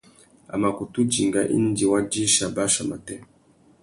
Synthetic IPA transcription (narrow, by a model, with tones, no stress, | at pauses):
a̰˨ma˨ku˨tu˦d͡ʒi˨ŋɡa˨ʔḭ˦n˦di˨wa˦d͡ʒi˦ʃa˨ba˦ʃa˨ma˨tɛ˦